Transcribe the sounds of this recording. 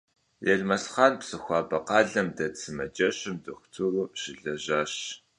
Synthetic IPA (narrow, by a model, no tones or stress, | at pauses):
jɐɮmɐsχɑːnpsɨxʷɑːbɐqɑːɮɐmdɐt͡sʰɨmɐd͡ʒɐɕɨmdɨxʷʊ̥tʰuruːɕɪɮɐʑaːɕ